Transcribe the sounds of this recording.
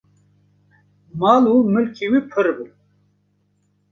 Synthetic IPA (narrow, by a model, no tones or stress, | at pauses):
maːlumɨlkʰiwipʰɨɾbɨ